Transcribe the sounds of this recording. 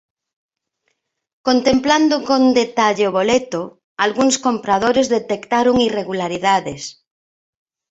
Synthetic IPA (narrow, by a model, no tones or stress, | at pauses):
kont̪empland̪okond̪et̪aʎeoβolet̪o | alɣuŋskompɾað̞oɾezðet̪ekt̪aɾoŋireɣulaɾiðaðes